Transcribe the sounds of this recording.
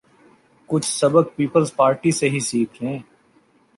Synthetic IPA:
kʊt͡ʃʰsɐbək̚piːpəlzpaːɾʈiseɦisiːkʰɾẽː

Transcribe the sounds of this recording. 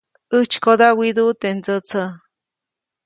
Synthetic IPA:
ət͡ʃkod̪awid̪ut̪end͡zət͡sʰə

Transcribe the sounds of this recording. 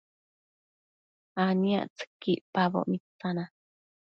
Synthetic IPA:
ania̰ʔt͡sə̥kːiʔpaβo̰ʔmit͡sːana

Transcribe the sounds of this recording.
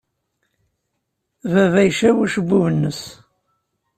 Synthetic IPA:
vævæjʃæwæʃəbːuvənːəs

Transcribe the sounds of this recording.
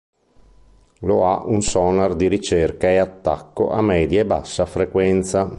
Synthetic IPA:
loa̰ʔunsɔnard̪iɾit͡ʃerkaeat̪ːa̰kːoʔamɛːd̪jaeba̰sːafɾekwɛnt̪sa

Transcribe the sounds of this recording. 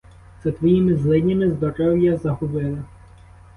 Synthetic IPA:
zɐt̪ʋɔjimɪzlˠɪnʲɐmɪzd̪ɔɾɔwjɐzɐɦʊbɪlˠɪ

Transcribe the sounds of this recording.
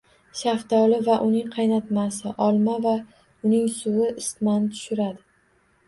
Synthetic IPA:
ʃaft̪ʰɒlɪvaʔʊnɪŋqʰɑjnat̪masɪʔɒlˠmava | ʊnɪŋsʊwɪʔɪsmant̪ʰʊ̥ʃɪɾad̪ɪ

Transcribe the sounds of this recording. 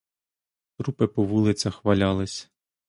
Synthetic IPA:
t̪ɾupɪpɔʋulˠɪt͡sʲɐxʋɐlʲɑlˠɪsʲ

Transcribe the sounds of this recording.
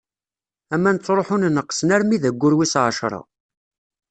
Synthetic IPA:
æmːænət͡sːɾˤoħʊnnəqːsnæɾmiðəɡʷːʊɾwisʕʃɾˤɑ̰

